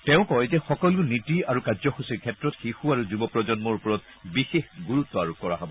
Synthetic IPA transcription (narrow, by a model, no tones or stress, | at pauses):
tɛʊ̃kɔjzɛxɔkɔlunitiaɹukazɔxusiɹkʰɛtɹɔtxixuaɹuzubɔpɹɔzɔnmɔɹupɔɹɔt̚ | bixexɡuɹutːɔaɹukɔɹa̰ɦabɔ